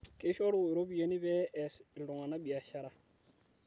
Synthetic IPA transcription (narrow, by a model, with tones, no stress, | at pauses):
kɪ˦ʃɔ˦ɾu˦˨ɾo˦bi˦je˨ni˦βɛ˦ɛ˨sɪ˨ldʊ˨ŋa˨na˦bi˨a˨ʃa˦ɾa˦